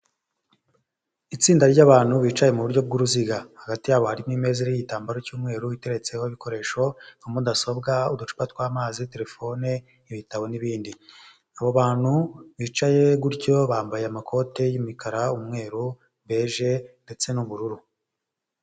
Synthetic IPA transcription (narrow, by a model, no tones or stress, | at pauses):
it͡siːndaɾɟaβaːn̥huβiːt͡ʃaje̞muβuɾɟo̞b̚ɡuɾuziɡahaɡatijaːβohaɾimŋiːme̞ːziɾiɟitaːmbaɾocuːmŋe̞ːɾuβite̞ɾe̞t͡se̞ho̞iβikʰo̞ɾe̞ːʃo̞umudaso̞bɡaudut͡ʃu̥patkwaːmaːzite̞ɾe̞fo̞ne̞ | iβitawo̞niβiːndi | aβoβaːn̥huβiːt͡ʃaje̞ɡuɾɟo̞βaːmbajeamakʰo̞ːte̞jimikaɾaumŋe̞ːɾu | βe̞ːʒe̞nde̞t͡se̞nuβuɾuɾu